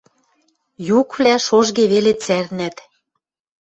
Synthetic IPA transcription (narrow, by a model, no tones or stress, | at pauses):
jukβlæʃoʒɣeβelet͡sæɾnæt̪